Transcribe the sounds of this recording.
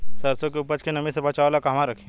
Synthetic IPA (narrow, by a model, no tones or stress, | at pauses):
sɐɾsõkeʊpət͡ʃkenɐmĩsebɐt͡ʃaʋlakaɦɐmãɾɐkʰẽ